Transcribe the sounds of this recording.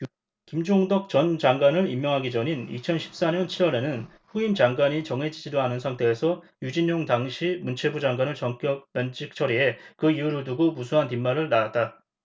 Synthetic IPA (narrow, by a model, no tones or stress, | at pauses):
kimd͡ʑoŋdʌk̚t͡ɕʌnd͡ʑaŋɡwanɯɾimːjʌŋɦaɡid͡ʑʌɲinḭt͡ɕʰʌnɕʰi̥p̚s͈aɲʌnt͡ɕʰiɾwʌɾe̞nɯn | ɸuimd͡ʑaŋɡwaɲit͡ɕʌŋɦe̞d͡ʑid͡ʑidoanɯnsʰaŋtʰe̞ːsʰʌ | jud͡ʑiɲːoŋdaŋɕʰimunt͡ɕʰe̞bud͡ʑaŋɡwanɯɭt͡ɕʌŋk͈jʌp̚pʌnt͡ɕʰik̚t͡ɕʰʌɾie̞kɯiuɾɯɭduɡomusʰoɦantimːaɾɯɭnaat̚t͈a